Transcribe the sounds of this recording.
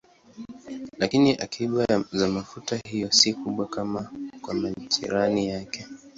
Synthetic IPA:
lakiniʔakʰiɓazamafutahijɔsikuɓwakamakwamatḭɾanijakɛ

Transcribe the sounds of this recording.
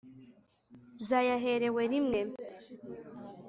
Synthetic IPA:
zajaɦeɾeweɾimnem

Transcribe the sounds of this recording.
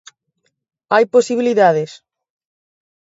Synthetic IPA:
ajposiβiliðaðɪs

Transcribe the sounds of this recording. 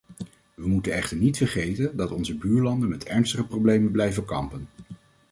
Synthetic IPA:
ʋəmutənɛχtəɹnitfəɹχejtəndɑtɔnzəbyːɹlɑndənmɛtɛɹnstəχəprowblejmənblɛjvəkɑ̰mpən

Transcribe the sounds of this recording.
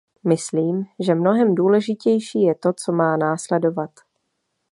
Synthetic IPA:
mɪsliːmʒɛmno̞ɦɛmduːlɛʒɪcɛjʃiːjɛt̪o̞t͡so̞maːnaːslɛdo̞vat̪

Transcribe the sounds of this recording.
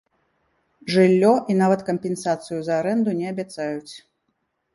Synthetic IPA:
ʐɨlʲːɔʔinavɐt̪kɐmpʲɛnsat̪sɨjuzɐːɾɛnd̪unʲɛɐbʲat̪sajut͡sʲ

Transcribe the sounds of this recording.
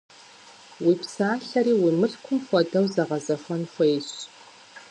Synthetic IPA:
wiːpsaːɬɐɾiːwimɨɬkʷʰʊmxʷɔdɐwzɐʁɐzɐxʷɔnxʷeːjɕ

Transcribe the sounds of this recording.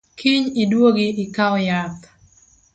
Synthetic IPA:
kʰiɲidwoɡiɪkawjat

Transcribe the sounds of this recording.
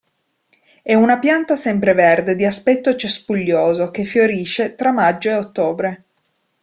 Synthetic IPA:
ɛunapjant̪asɛmpɾeverd̪ed̪iaspɛt̪ːot͡ʃespuʎːoːzok̟efːjoɾiːʃet̪ɾamːad͡ʒːoeot̪ːoːbɾe

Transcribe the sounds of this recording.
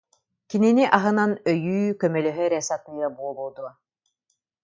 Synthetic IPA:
kininiʔaɦɯnanœjyːkœmœlœɦœɾɛsat̪ɯːɾabuɔlˠuɔd̪uɔ

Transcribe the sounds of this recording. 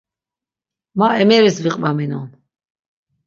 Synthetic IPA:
maɛmɛɾisviqʼvaminɔn

